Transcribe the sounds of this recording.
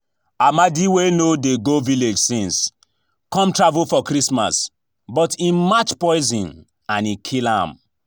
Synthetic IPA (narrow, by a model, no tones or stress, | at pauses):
amadiwenodeɡoviled͡ʒsĩns | kɔ̃mtɹavulfɔkɾisma̰s | bɔtĩnmat͡ʃpɔɪzĩn | ãnikʰilã̰m